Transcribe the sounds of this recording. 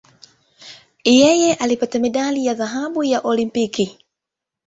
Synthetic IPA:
jɛjɛʔalipatamiɗalijaðaɦaɓujaʔɔlimpiki

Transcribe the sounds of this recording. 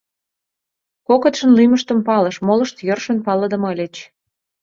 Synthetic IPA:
kokə̆t̪ʃə̆nlyməʃt̪əmpɑləʃmolɤ̆ʃt̪jørʃənpɑləd̪ə̆məlʲet͡ɕ

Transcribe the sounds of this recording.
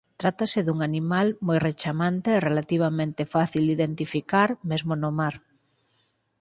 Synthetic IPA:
t̪ɾat̪aseðuŋanimalmojret͡ʃamãnt̪eːrelat̪iβ̞amẽnt̪efaθild̪iðent̪ifikaɾmezmonomaɾ

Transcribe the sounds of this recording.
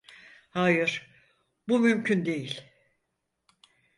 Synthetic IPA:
haːjɯɾ̥ | bumymcʰynd̪e̞jilʲ

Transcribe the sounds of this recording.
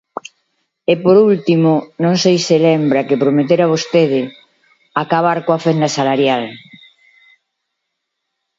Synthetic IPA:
epoɾult̪imʊnõŋsejsɪlɛmbɾakɪpɾomet̪̬eɾaβ̞ost̪eð̞ɪ | akaβ̞aɾkoafend̪asalaɾjal

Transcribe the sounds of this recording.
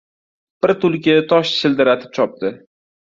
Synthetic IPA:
b̥ɪɾt̪ʊlˠkʲɪt̪ʰɒʃt͡ʃʰɪld̪ɪɾat̪ʰɪ̥p̚t͡ʃʰɒp̚d̪ɪ

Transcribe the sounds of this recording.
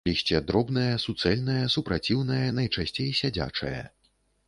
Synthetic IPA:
lʲiɕʲt͡sʲɛd̪ɾɔbnɐjɐsut̪sɛlʲnɐjɐsupɾat͡sʲiwnɐjɐnɐjt͡ʂasʲt͡sʲejsʲad͡zʲa̰t͡ʂɐ̰jɐ̰

